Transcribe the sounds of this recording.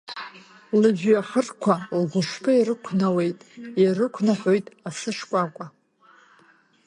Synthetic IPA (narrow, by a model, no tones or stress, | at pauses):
lɨʒᶣaħərkʷʰalɡʷʊʂpʰaiɾɨkʷʰnawe̞jtʼjarɨkʷʰnaħojtʼasɨʂkʷʼakʷʼa